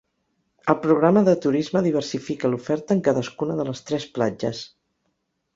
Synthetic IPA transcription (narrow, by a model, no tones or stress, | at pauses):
əlˠpɾuɣ̞ɾaməðət̪uɾizməðiβ̞ərsifikəlufɛɾt̪əŋkaðəskunəðələst̪ɾɛsplad͡ʒəs